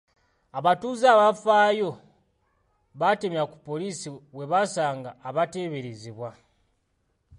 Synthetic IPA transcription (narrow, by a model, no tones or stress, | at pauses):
aβatuzaβafajo̞ | βatemjaku̥po̞lisiwe̞βasaːŋɡaːβate̞βeɾiziβwa